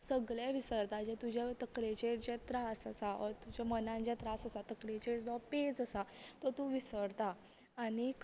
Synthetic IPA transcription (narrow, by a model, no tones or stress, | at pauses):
səɡɭjeʋisəɾt̪ad͡ʑet̪ud͡ʑʱat̪əkɾẽt͡ɕeʈd͡ʑet̪ɾasəsaət̪ud͡ʑamənãɲt͡ɕjat̪ɾasəsat̪əkɾet͡ɕeʈd͡zɔped͡zəsat̪ɔt̪ũʋisəɾt̪aː | ñik